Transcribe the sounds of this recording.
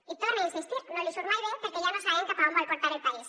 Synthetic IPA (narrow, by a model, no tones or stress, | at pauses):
it̪oreinsist̪iɾnolisuɾmajɾepeɾkeʝanosaeŋkapaamoɾekoɾt̪aɾelpaɾis